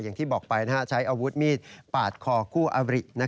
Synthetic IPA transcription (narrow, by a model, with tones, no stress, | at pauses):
jaː˨˩ŋt̪ʰiː˥˩bɔː˨˩k̚pa˧jna˦˥a˦˥t͡ɕʰa˦˥jʔa˧wu˦˥t̪̚miː˥˩t̪̚paː˨˩t̪̚kʰɔː˧kʰuː˥˩ʔa˧ɾi˨˩ʔna˦˥